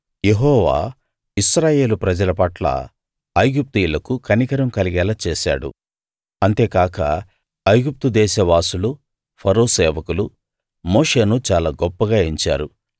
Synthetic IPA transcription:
je̞ɦɔːʋa̰ː | isɾaːje̞ːlupɾɐd͡ʒɐlɐpɐʈlɐ̰ | ɐjɡup̚t̪ijlɐkukʰɐnikɐɾɐmkɐliɡɛːlɐt͡ʃeːʃa̰ːɽṵ | ɐnt̪eːkaːkɐ̰ | ɐjɡup̚t̪ud̪ɛːʃɐʋaːsulu | pʰɐɾoːsɛːʋɐkulu | moːʂe̞ːnut͡ʃaːlaːɡɔpːɐɡaːeɲt͡ʃa̰ːɾu

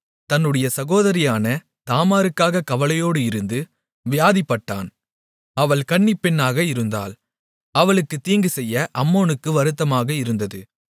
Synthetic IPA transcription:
t̪ɐnːɯɽɐjɐsɐɣoːðɐɾɪjaːnɐ | t̪aːmaːɾɯkːaːɣɐkɐʋɐlɐjoːɽɯɪɾɯnd̪ɯ | ʋɪjaːðɪpːɐʈːa̰ːn | ɐʋɐɭkɐɳːɪpːɛnːaːɣɐɪɾɯnd̪a̰ːl | ɐʋɐɭɯkːɯt̪iːŋɡɯsɛjːɐʔɐmːoːnɯkːɯʋɐɾɯt̪ːɐmaːɣɐɪɾɯnd̪ɐðɯ

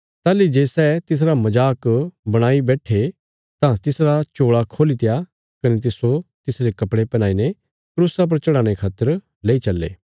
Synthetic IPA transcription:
t̪aːlid͡ʒeːsɛːt̪ɪs̬ɾamɐd͡ʒaːkbɐɽ̃aːibɛːʈʰe | t̪ãt̪ɪsɾat͡ʃoːɭakʰoːlit̪ɪja | kɐnet̪̬ɪsot̪ɪsɾekɐpɽepɛñaːine | kɾuːsap̬ɐɾt͡ʃɐɽãːɽ̃ekʰaːt̪ːəɾ | leːit͡ʃɐlːḛː

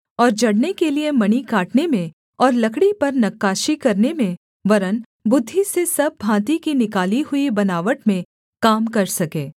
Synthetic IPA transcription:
ɔːɾd͡ʒɐɽnekeliemɐnikaːʈnemẽ | ɔːɾlɐkɽipɐɾnɐkːaːʃikɐɾnemẽ | ʋɐɾən | bʊd̪ʱːisesɐb̚ːʱãːt̪ikinɪkaːliɦʊibɐnaːʋəʈmẽ | kaːmkɐɾsɐkẽː

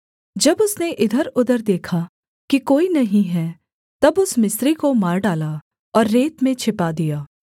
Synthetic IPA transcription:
d͡ʒɐbʊsneʔɪd̪ʱəɾʊd̪əɾd̪eːkʰa | kikoːinɐɦĩɦɛ | t̪ɐbʊsmɪsɾikomaːɾɖaːla | ɔːɾːeːt̪mẽt͡ʃʰɪpad̪ijaː

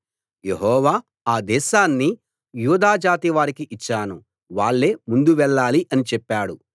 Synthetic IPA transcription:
je̞ɦɔːʋaː | aːd̪ɛːʃaːnːi | juːd̪aːd͡ʒaːt̪iʋaːɾikiʔit͡ʃːaːnu | ʋaːɭːeːmund̪uʋɛɭːaːliʔɐnit͡ʃɛpːaːɽṵ

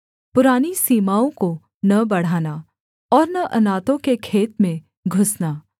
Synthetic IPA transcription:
pʊɾaːnisiːmaːõko | nɐbɐɽ̤aːna | ɔːɾnɐʔɐnaːt̪õkekʰeːt̪mẽ | ɡʱʊsnaː

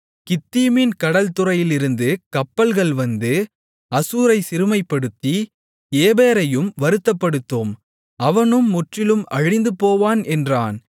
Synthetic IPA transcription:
kɪt̪ːiːminkɐɽɐlt̪ɯɾɐjɪlɪɾɯnd̪ɯkɐpːɐlɣɐɭʋɐnd̪ɯ | ɐsuːɾɐɪsɪɾɯmɐɪpːɐɽɯt̪ːi | eːbeːɾɐjɯmʋɐɾɯt̪ːɐpːɐɽɯt̪ːoːm | ɐʋɐnɯmːʊʈrɪlɯmʔɐɻɪnd̪ɯpoːʋaːnɛndraːn

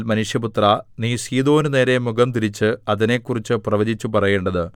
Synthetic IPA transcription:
lmɐnuʂjɐput̪rɐniːsiːðo̞ːnɨne̞ːɾe̞muɡɐmt̪iɾit͡ɕːɨɐðine̞ːkːurit͡ɕːɨprɐʋɐd͡ʑit͡ɕːupɐrɐje̞ːɳɖɐðɨ

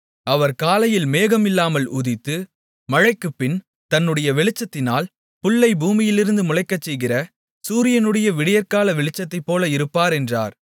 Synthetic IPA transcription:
ɐʋɐɾkaːlɐjɪlmeːɣɐmɪlːaːmɐlʊðɪt̪ːɯ | mɐɻɐɪkːɯpːɪn | t̪ɐnːɯɽɐjɐʋɛɭɪt͡ʃːɐt̪ːɪnaːl | pʊɭːɐɪbuːmɪjɪlɪɾɯnd̪ɯmʊlɐɪkːɐt͡ʃːɛjɣɪrɐ | suːɾɪjɐnɯɽɐjɐʋɪɽɪjɐɾkaːlɐʋɛɭɪt͡ʃːɐt̪ːɐɪpːoːlɐɪɾɯpːaːɾɛndra̰ːɾ

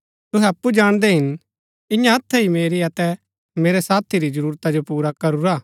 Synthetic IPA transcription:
t̪ʊɦɛɐpːud͡ʒaːɽ̃d̪ɛɦɪn | ɪjãɐt̪ʰːɛɦimeːɾiɐt̪ɛ | meːɾɛsaːt̪ʰiɾid͡ʒɐɾuːɾt̪ad͡ʒopuːɾakɐɾuɾaː

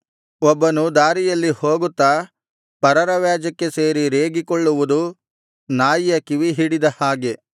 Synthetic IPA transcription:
ɔbːɐnud̪aːɾijɐlːihoːɡut̪ːa | pɐɾɐɾɐʋjaːd͡ʒɐkːe̞se̞ːɾiɾeːɡikɔɭːuʋud̪u | naːjjɐkiʋiɦiɽid̪ɐhaːɡe̞

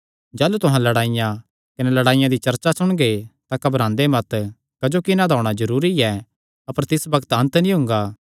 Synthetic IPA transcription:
d͡ʒaːlut̪ʊɦãlɐɽaːɪjã | kɐnɛlɐɽaːɪjãd̪it͡ʃɐɾt͡ʃasʊɽ̃ɡet̪akɐbɾãːnd̪emɐt̪ | kɐd͡ʒokɪnad̪ʱɔːɽ̃ad͡ʒɐɾuːɾiɛ | ɐpəɾt̪ɪsbɐɡət̪ɐ̃nt̪nĩɦʊ̃ŋɡaː

